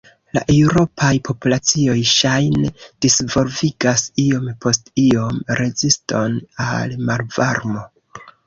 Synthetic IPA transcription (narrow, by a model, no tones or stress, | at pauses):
la̰ʔe̞uɾo̞pʰajpʰo̞pulat͡sio̞jʃajned̥isvo̞lviɡasio̞mpʰo̞stio̞mɾe̞zisto̞nalmalvaɾmo̞